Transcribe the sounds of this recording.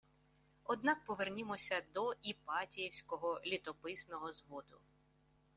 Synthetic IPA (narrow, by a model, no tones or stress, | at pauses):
ɔd̪nɑk̚pɔʋernʲɪmɔsʲɐd̪ɔʔipɑtʲijɛwsʲkɔɦɔlʲit̪ɔpɪsnɔɦɔzʋɔd̪ʊ̰